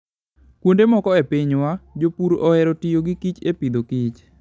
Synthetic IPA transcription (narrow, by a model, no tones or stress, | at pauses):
kwondemɔkɔepiɲwad͡ʒopuɾɔɛɾɔtijoɡikit͡ʃepid̪okit͡ʃ